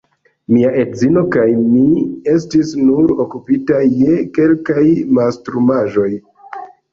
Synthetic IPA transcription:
miaʔe̞tzino̞kajmie̞s̬tisnuɾo̞kupitaje̞ke̞lkajmastɾumaʒo̞j

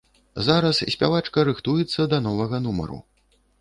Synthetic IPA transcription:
zaɾɐssʲpʲa̰vat͡ʂkɐɾɨxt̪ujɛt̪sːɐd̪ɐnɔvɐɣɐnumɐ̰ɾṵ

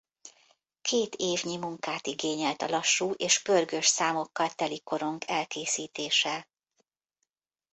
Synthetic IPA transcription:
kʰeːt̪eːvɲimuŋkaːt̪iɡeːɲɛlt̪ɒlɒʃːuːʔeːʃbørɡøʃsaːmo̞kːɒlt̪ɛliko̞ɾo̞ŋkʰɛlkeːsiːt̪eːʃɛ

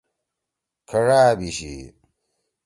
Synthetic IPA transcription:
kʰɐɻaːbiɕḭ

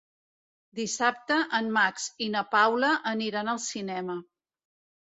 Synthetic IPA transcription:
d̪isap̚t̪əʔənmaksinəpawləʔəniɾanəlˠsinɛmə

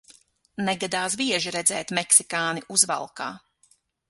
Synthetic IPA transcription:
nɛɡad̪aːs̬biɛʒiɾɛd̪zɛːt̪mɛksikaːniʔuzva̰lˠka̰ː

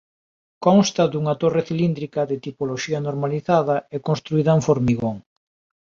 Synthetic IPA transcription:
kɔŋst̪ɐðuŋɐt̪oreθilind̪ɾikɐðɪt̪ipoloʃiɐnoɾmaliθaðɐɪkonst̪ɾuiðɐeɱfoɾmiɣoŋ

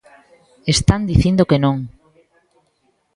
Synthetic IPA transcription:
est̪and̪iθind̪okenõŋ

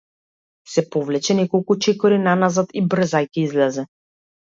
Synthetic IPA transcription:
sɛpɔvlɛt͡ʃɛnɛkɔlˠkut͡ʃɛkɔɾinanazat̪ibr̩zajkɛizlɛzɛ

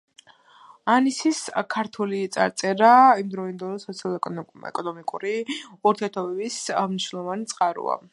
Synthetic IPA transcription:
anisiskʰaɾt̪ʰulit̪sʼa̰ɾt̪sʼɛɾaimd̪ɾɔind̪ɛlsɔt̪sʰialˠɛ̰kʼɔnɔmikʼuɾiuɾt̪ʰiɛɾt̪ʰɔbɛbismniʃnɛlˠɔvanit̪sʼqʼaɾṵa̰

